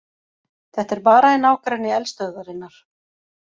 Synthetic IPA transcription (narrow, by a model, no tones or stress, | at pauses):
θɛht̪ɛɾpaːɾaɛnaːwkɾanɪɛlst̪œɣðaɾɪnːaɾ̥